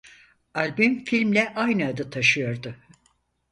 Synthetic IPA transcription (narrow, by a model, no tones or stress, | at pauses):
alʲbymfilʲmlʲɛʔajnɯad̪ɯt̪ʰaʃɯjo̞ɾd̪ʊ